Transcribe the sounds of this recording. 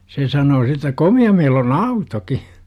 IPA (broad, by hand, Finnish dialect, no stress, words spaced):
se sɑnoː si tæ komiɑ meil on ɑutoki